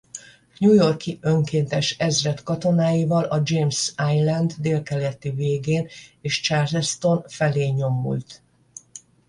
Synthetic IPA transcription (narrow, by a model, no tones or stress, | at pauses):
ɲujo̞rkiø̞ŋkeːnt̪ɛʃɛzrɛt̪kɒt̪o̞naːjivɒlɒd͡ʒeːmsaːjlɛnd̪d̪eːlkɛlɛt̪iveːɡeːneːʃt͡ʃaːrzɛst̪o̞nfɛleːɲo̞mːṵlt̪